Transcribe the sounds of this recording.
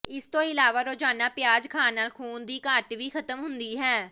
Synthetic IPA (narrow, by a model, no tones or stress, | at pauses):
ɪst̪õːɪlaːʋaːɾoːd͡ʒaːnaːpɪjaːd͡ʒkʰaːnaːlkʰuːnd̪iːkaːʈʋiːkʰət̪əmɦʊnd̪iːɦɛː